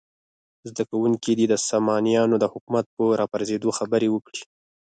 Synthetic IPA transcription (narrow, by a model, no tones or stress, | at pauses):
zd̪akawuŋkid̪id̪əsamɑnijɑnod̪əhʊkumat̪̚pəɾɑpaɾzed̪oxabəɾewəkɽi̥